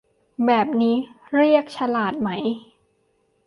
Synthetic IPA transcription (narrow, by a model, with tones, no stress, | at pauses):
bɛː˨˩p̚niː˦˥ɾi˥˩ək̚t͡ɕʰa˧laː˨˩t̪̚ma˦˥j